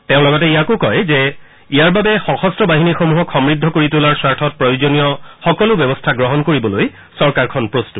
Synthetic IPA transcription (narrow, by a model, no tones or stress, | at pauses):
tẽʊ̃lɔɡɔtɛijakokɔjzɛ | ijaɹbabɛxɔxɔstɹɔbaɦinixomuɦɔkxɔmɹidʱːɔkoɹitulaɹsaɹtʰɔt̚pɹɔjozonijɔxɔkɔlʊbjɔbɔstʰaɡɹɔɦɔnkoɹibɔloj | sɔɹkaɹkʰɔnpɹostut